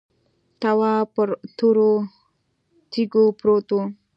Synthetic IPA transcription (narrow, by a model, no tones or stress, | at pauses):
t̪awapəɾt̪ʰuɾo | t̪iɡopɾot̪o